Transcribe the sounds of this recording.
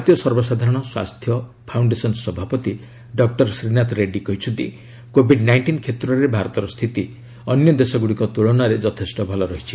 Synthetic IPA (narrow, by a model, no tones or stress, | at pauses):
t̪ijɔsɔɾbɔsad̪ʱaɾɔɽ̃ɔswa̰st̪ʰjɔ | pʰawɳɖesɔnsɔbʱapɔt̪i | ɖɔk̚ʈɔɾsɾinat̪ɔɾeɖikɔɦit͡ʃʰut̪ḭ | kobʱiɖnajɳʈinkʰet̪ɾɔɾebʱaɾɔt̪ɔɾɔst̪ʰit̪i | ɔnjɔd̪esɔɡuɽikɔt̪uɭɔnaɾed͡ʒɔt̪ʰesʈɔbʱɔlɔɾɔɦit͡ʃʰi